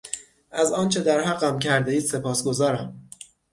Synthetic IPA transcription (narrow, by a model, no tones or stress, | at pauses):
ʔæzɒːnt͡ʃʰe̞d̪æɾɦæɢæmcʰæɾd̪eiːd̪se̞pʰɒːsɡo̞zɒːɾæm